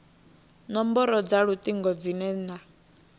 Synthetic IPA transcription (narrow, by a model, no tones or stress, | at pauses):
nɔmbɔɾɔd͡zaɺut̪ʼiŋɡɔd͡zinɛna